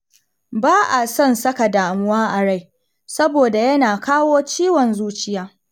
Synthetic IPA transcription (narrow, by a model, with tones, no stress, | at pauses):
baː˦ʔa˨sɐ˦˨nsɐ˦ka˨daː˨mʊ˦waː˦ʔa˨ɽa˦˨j | sɐ˦boː˨da˨jɐ˦naː˨kaː˦woː˦t͡ʃiː˦wɔ˨nzuː˦t͡ʃɪ˦jaː˦